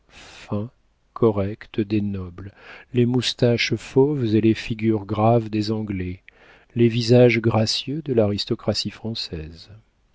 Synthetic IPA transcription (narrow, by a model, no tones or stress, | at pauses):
fɛ̃ | kʰɔʁɛkt̪d̪enɔbllemust̪aʃfovzelefiɡʲyʁɡʁavd̪ezɑ̃ɡlɛ | levizaʒɡʁasjød̪əlaʁist̪ɔkχasifχɑ̃sɛz